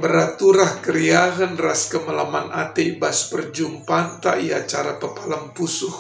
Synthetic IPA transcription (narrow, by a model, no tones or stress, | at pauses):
bəɾat̪uɾahkəɾiaɣənraskəməlamanʔat̪ebaspərd͡ʒumpant̪aʔiat͡ʃaɾapəpalampusʊh